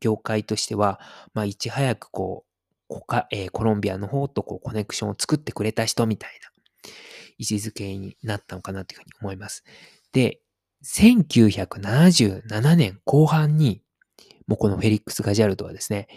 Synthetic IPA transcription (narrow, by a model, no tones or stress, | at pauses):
ɡ̥ʲo̞ːkait̪o̞ɕi̥t̪e̞βamaːit͡ɕihajakɯ̟̥ko̞̰ː | kokaeːko̞ɾõ̞mbʲiano̞ho̞ːt̪o̞ko̞ːko̞ne̞kɯ̟̥ɕõ̞ot͡sɨ̥kɯ̟t̪ːe̞kɯ̟ɾe̞t̪aɕi̥t̪omʲit̪aina | it͡ɕizɨke̞ɲ̟ḭnat̪ːano̞kanat̪o̞jɯ̟hɯ̟ɲ̟io̞mo̞imasɨ̥ | d̪̥e̞ | sẽ̞ŋkʲɨːçakɯ̟nanaʑɨːnananẽ̞ŋko̞ːhãɲ̟ːi | mo̞ːko̞no̞ɸe̞ɾʲikːɯ̥sɨɡaʑiaɾɯ̟t̪o̞βa̰d̪e̞sɨ̥ne̞